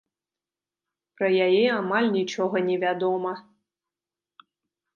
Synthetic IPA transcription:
pɾɐjajɛamalʲnʲit͡ʂɔɣɐnʲɛvʲad̪ɔmɐ

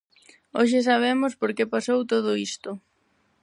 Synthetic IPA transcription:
oʃ̬ɪs̬aβ̞emʊspoɾkepasowt̪oð̞ʊist̪ʊ

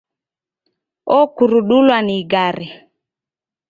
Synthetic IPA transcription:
ɔkuɾuɗulwaniɡaɾi

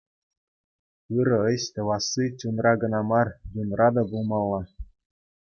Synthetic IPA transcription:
ɯɾɤ̆ɤ̆ɕt̪ɤ̆ʋɑsːit͡ɕʲunrʔɑɡɤ̆nɑmɑrjunrʔɑd̪ɑbulˠmɑlˠːɑ

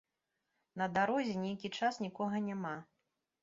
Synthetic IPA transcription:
nɐd̪aɾɔzʲɛnʲejkʲit͡ʂasnʲikɔɣɐnʲama

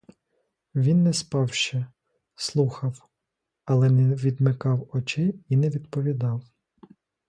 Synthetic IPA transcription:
ʋʲinːɛspɑwʃt͡ʃɛ | slˠuxɐw | ɐlˠɛnɛʋʲid̪mɪkɑwɔt͡ʃɪinɛʋʲid̪pɔʋʲid̪ɑw

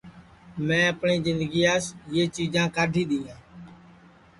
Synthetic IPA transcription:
mɛ̃ːəpɳiːzɪnd̪əɡiːaːsjeːt͡ʃiːd͡ʒãːkaːɖʱiːɗ̪iːãː

